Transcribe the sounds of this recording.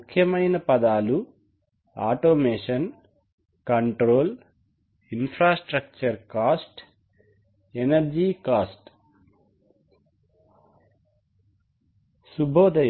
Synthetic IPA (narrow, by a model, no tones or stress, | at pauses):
ukʰjɐmɐjnɐpɐd̪aːlu | a̰ːʈoːmeːʂɐn | kɐɳʈɾoːl | inpʰɾaːsʈɾɐk̚t͡ʃɐɾkaːsʈ | enɐɾd͡ʒiːkaːsʈ | subʱoːd̪ɐj